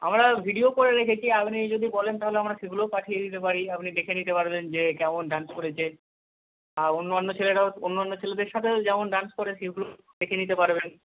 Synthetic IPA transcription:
a̰mɾabʱiɖiokoɾeɾekʰet͡ɕʰiapnid͡ʑod̪ibɔlent̪aɦoleamɾaʃeɡulopaʈʰijed̪it̪epaɾiapnid̪ekʰenit̪epaɾbend͡ʑekɛmonɖanskoɾet͡ɕʰe | aonːoonːot͡ɕʰeleʈaoonːoonːot͡ɕʰeled̪eɾʃat̪ʰed͡ʑɛmonɖanskoɾeʃeɡulo | d̪ekʰenit̪epaɾben

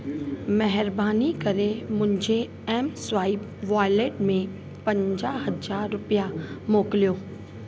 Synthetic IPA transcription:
mɛɦɪɾbaːnikɐɾemʊ̃nd͡ʒʱe | ɛːmswaːib | ʋaːjleːʈmẽ | pɐ̃ɲd͡ʒaːɦəzaːɾːʊpijamoːklijoː

